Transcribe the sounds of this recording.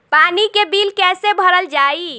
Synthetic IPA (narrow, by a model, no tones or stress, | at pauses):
panikebilkɛsebʱəɾəld͡ʒai